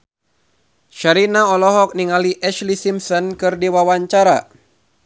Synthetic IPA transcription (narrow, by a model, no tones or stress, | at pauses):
ʃaɾinaɔlɔɦɔk̚niŋaliʔɛʃlisimsɔnkɨrdiwawaɲt͡ʃaɾa